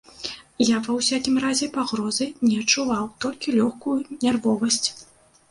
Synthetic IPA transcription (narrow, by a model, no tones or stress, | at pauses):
javɐwsʲakʲimrazʲɛpaɣɾɔzɨnʲɛɐt͡ʂːuvawt̪ɔlʲkʲilʲɔxkujunʲɛrvɔvɐsʲt͡sʲ